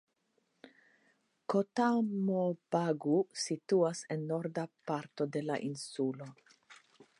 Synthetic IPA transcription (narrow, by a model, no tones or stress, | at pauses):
kotamobaɡusit̪uasenːo̞ɾdapaɾto̞de̞la̰ʔinsulo̞